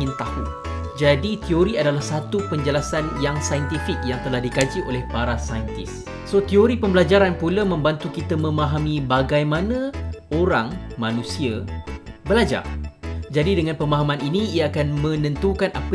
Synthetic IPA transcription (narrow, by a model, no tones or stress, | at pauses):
ɪnt̪ahu | d͡ʒadit̪ioɾiadalahsat̪upəɲd͡ʒəlasanjaŋsajənt̪ifɪk̚jaŋt̪əlahdikad͡ʒiʔolɛhpaɾasajənt̪is | sot̪ioɾipəmbəlad͡ʒaɾanpuləmə̃mbant̪ukit̪əmə̃mãɦamĩbaɡajmãnə̃oɾaŋmãnũsiəbəlad͡ʒa̰rd͡ʒadidəŋanpəmaɦamãninĩiaakanmə̃nə̃nt̪ukana̰p